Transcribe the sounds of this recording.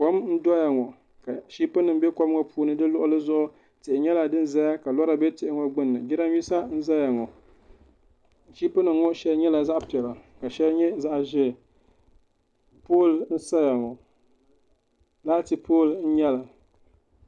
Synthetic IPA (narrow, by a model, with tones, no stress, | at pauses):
kɔ˦mn̩˦dɔ˦ja˨ŋɔ˨ | ka˨ʃi˦pɨ˦nɨ˨m˦bɛ˦kɔ˦m˦ŋɔ˦puː˦nɨ˦dɨ˦lʊ˦ʔʊ˦lɨ˦zʊ˦ʔʊ˦ | tɪ˨ʔɪ˨ɲɛ˦la˨dɨ˦n˦za˦ja˦ka˨lɔ˦ɾa˨bɛ˦tɪ˨ʔɪ˦ŋɔ˦ɡ͡bɨ˦nːɨ˨ɡi˦ɾa˦m˦i˦sa˦n̩˦za˦ja˨ŋɔ˨ | ʃi˦pɨ˦nɨ˨m˦ŋɔ˦ʃɛ˦lɲɛ˦la˨za˦ʔpi˨ɛ˨la˨ka˨ʃɛ˦lɲɛ˦za˦ʔʒɪ˦˨ | po˦ln̩˦sa˦ja˨ŋɔ˨ | laː˦ti˨poː˦ln̩˦ɲɛ˦la˨